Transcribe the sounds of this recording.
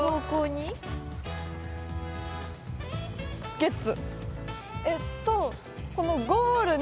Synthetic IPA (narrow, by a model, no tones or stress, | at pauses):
oːkoːɲ̟i | ɡ̥et͡sɨ | et̪ːo | ko̞no̞ɡoːɾɯ̟n